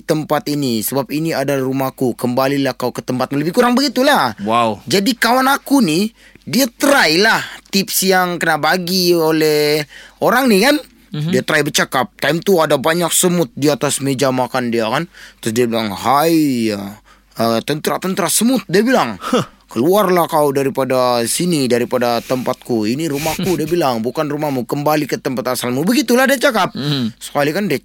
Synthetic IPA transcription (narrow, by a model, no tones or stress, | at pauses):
t̪əmpat̪inisəbap̚iniadarumakukəmbalilahkaukət̪əmpat̪̚maləbɪhkuɾaŋbəɡit̪ulahwaud͡ʒadikawanakuni | diat̪əɾailaht̪ɪpsjaŋkənabaɡiolɛhoɾaŋnikan | diat̪ɾaibət͡ʃakap̚t̪ajmt̪uadabaɲak̚səmʊt̪̚diat̪asmed͡ʒamakandiakant̪ʊsdiabilaŋɦaja | ət̪ənt̪ɾat̪ənt̪ɾasəmʊt̪̚diabilaŋ | kəluarlahkawdaɾipadasinidaɾipadat̪əmpat̪̚kuiniɾumahkudiabilaŋbukanrumahmukəmbalikət̪əmpat̪asalmubəɡit̪ulahdiat͡ʃakap̚sə̥kalikandia